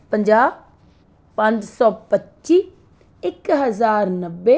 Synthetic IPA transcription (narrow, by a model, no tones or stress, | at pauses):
pə̃ɲd͡ʒaːb | pɐ̃ɲd͡ʒsɔːpətːʃiː | ɪkɦəzaːɾnəbːe